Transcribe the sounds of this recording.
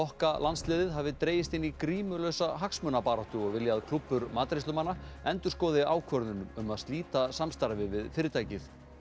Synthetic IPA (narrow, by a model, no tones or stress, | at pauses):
ɔhkalanslɛːðɪðɦavɪt̪ɾeːjɪst̪ɪnːikɾiːmʏlœwsaɦaksmœːnapaːɾaht̪ʏɔɣvɪljaðkʰlupːʏɾmaːt̪ɾesʏmanːaɛnt̪ʏɾ̥skɔːðɪaːwkʰvœɾðʏnʏmʏmaðst̪liːt̪asamst̪aɾvɪvɪðfɪɾɪt̪ʰaːjcɪθ